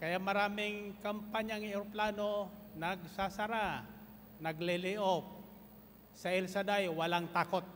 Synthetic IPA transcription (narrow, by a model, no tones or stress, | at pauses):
kɐjaʔmɐɾaːmɪŋkɐmpaɲaŋɛɾplaːnonɐɡ̚sasaɾa | nɐɡlɪlɪʔop̚ | sɐɛlsad̪ajwɐlaŋt̪aːkot̪̚